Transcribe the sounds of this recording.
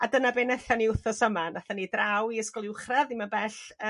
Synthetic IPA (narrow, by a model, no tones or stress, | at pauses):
adənabeːnɛθaniʊθɔsəmanaθanidrawiəskɔlˠɪwχraðimabɛɬ